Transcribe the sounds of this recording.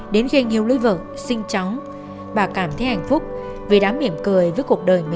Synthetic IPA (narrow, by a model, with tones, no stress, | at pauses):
ɗe˨˦nɣe˧ɲi˨˩əwli˧˦və̰ː˧˨ | sï˧ŋ̟t͡ɕɔ˨˦wŋ͡m | ɓaː˨˩kaː˧˩mt̪ʰe˨˦ha˨˩jŋ̟fʊ˦˥k͡p̚ | ve˨˩ɗaː˨˦mʔi˧˩əmkɨ˨˩əjvəː˨˦jku˨˩ək̚ɗəː˨˩jmi˧